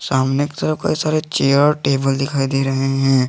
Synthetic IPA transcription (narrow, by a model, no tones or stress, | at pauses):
saːmneke̥t̪ɐɾəfkɐ̰isaːɾet͡ʃeːəɔɾʈeːbəld̪ɪkʰaːid̪eːɾɐɦeɦɛ̃ː